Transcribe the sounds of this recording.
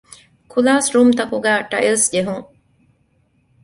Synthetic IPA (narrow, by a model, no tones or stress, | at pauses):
kʰulaːsɾuːmt̪ɐkuɡæːʈɐʔilsd͡ʒeɦuŋ